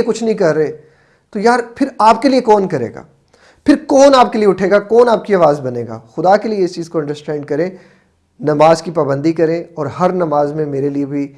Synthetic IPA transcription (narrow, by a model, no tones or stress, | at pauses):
ekʊt͡ʃʰnɐɦĩkɐɾːɐɦe | t̪ojaːɾpʰɪɾaːp̚keliekɔːnkɐɾḛːɡa̰ː | pʰɪɾkɔːnaːp̚kelieʊʈʰeːɡakɔːnaːp̚kiaːʋaːzbɐneːɡa̰ːxʊd̪akelieɪst͡ʃiːzkoɐ̃ɳɖəɾsʈɛ̃ːɳɖkɐɾẽː | nɐmaːzkipaːbə̃nd̪ʱikɐɾẽɔːɾɦɐɾnɐmaːzmẽmeːɾeliebʱi